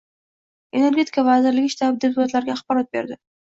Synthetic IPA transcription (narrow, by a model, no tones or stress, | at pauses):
e̞ne̞ɾɡʲe̞t̪ʰɪ̥kʰavazɪɾlɪɡʲɪʃt̪ap̚d̪ep̚ʊlat̪laɾɡʲaːχbɒɾɒt̪̚be̞̰ɾd̪ɪ